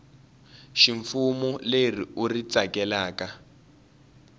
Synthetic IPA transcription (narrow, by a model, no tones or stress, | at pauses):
ʃiɱfumuleriurit͡sakɛlaːka